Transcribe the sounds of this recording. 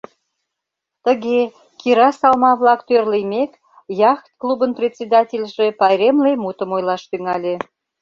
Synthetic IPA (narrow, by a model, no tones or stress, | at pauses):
t̪əɣe | kiɾɑsɑlmɑβlɑkt̪ørlejmek | jɑxt̪̚klubənprʲet̪ʲsʲed̪ɑtʲelʲʒepɑjɾʲemlemut̪əmojlɑʃt̪yŋɑlʲe